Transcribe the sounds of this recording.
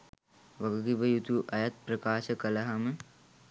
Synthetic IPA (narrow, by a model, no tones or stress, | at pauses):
ʋɐɡɐɡiʋɐjut̪uʔɐjɐt̪̚pɾɐkaːʃɐkɐlɐɦɐmə